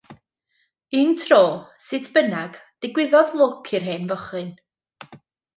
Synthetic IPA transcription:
intʰroːsɨtʰb̥ənaɡ̥d̥ɪɡwɪðɔðlˠʊkʰɪrɦeːnvɔχɨn

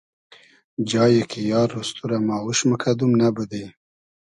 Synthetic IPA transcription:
d͡ʒɑːjekijɑːɾust̪uɾamɑːwuʃməkʰad̪umnabəd̪ej

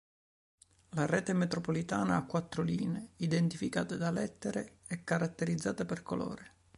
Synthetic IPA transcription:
larɛːt̪emet̪ɾopolit̪aːnaakːwat̪ːɾoliːneid̪ent̪ifika̰ːt̪ad̪alɛt̪ːeɾe | ɛkːaɾat̪ːeɾid̪zːaːt̪aperkolo̰ːɾe

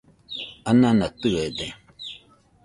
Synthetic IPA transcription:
ananatɨɣɛdɛ

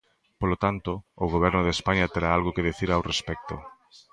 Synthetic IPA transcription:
polot̪ant̪oːɣoβ̞ɛɾnʊðespaɲat̪eɾaalɣokeðeθiɾawrespɛk̚t̪o̰

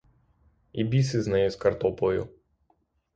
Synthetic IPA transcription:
ibʲisɪznɛjʊskɐrt̪ɔpɔjʊ̰

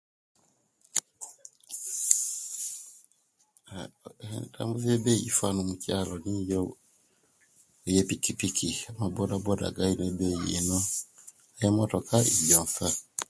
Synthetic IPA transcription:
ta̰mbuvjɛbɛjḭfanumucalɔnijɔ | jɛpikipikʰiamabɔdabɔda̰ɡainɛbɛjienɔ | jɛmɔtɔkaʔijɔfa

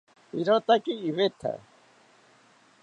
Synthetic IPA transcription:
iɾot̪akiːβet̪ʰa̰

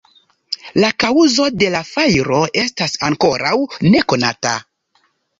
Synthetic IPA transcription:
lakauzo̞de̞lafajɾo̞ʔe̞stasaŋko̞ɾawne̞ko̞nata̰

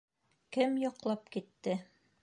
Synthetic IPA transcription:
kɘmjɑqlˠɑpkit̪ːɘ

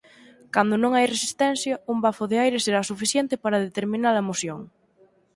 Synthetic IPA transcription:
kand̪onõŋajresist̪ɛn̟θjɐumbafoðeajɾeseɾasufiθjent̪epaɾaðet̪eɾmĩnaɾɐemosjoŋ

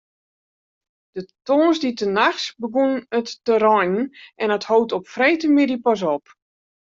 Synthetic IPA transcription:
d̥ətoːnsditənaxsbəɡunnətːəɾɔjnnʔɛnəthowtɔpfrejtəmɪdipɔs̬ɔp

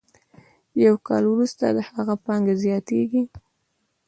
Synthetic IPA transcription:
jawkɑlwɾust̪a̰d̪əhaɣapɑŋɡazjɑt̪eɡi

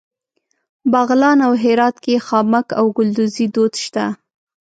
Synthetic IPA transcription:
baɣlɑnawɦɪɾɑt̪kexɑmakawɡʊld̪ʊzid̪od̪ʃt̪a

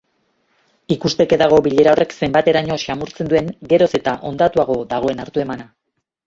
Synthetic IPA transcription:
ikust̪e̞ke̞ðaɣ̞o̞biʎe̞ɾao̞re̞kse̞mbat̪e̞ɾaɲo̞ʃamuɾt͡se̞nd̪ue̞ŋɡe̞ɾo̞se̞t̪aʔo̞nd̪at̪uaɣ̞o̞ðaɣ̞o̞e̞naɾt̪ue̞mana

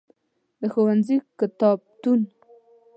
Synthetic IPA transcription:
d̪əxowanzikɪt̪ɑb̚t̪un

